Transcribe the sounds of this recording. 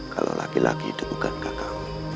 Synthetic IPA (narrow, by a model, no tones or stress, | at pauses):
kalo̰lʔakilʔakidukukankakamu